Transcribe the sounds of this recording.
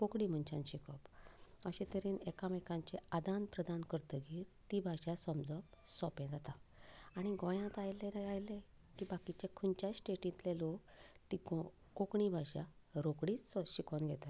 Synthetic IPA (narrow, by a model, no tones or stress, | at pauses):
kokɽim̤ənt͡ɕãnɕikɔpəɕet̪əɾiːnɛkaməkãɲt͡ɕead̪ãnpɾəd̪ankəɾt̪əɡiːɾt̪ibʱaɕasəmd͡zɔpsɔpɛ̃d͡zat̪aaɽ̃iɡɔ̃jãt̪ajleɾajlẽ | kiːbakit͡ɕekʰunt͡ɕasʈeʈĩt̪lelokt̪iko | kokɳibʱaɕa̰ɾokɽiːt͡ssɔɕikɔnɡʱɛt̪a